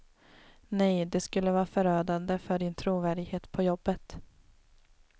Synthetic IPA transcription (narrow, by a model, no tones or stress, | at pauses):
nɛjd̪ɛskɵlːəvɑːɾfœɾøːd̪and̪əfœɖɪnt̪ʰɾuːvæːɖɪɡheːt̪pʰɔjɔbːət̪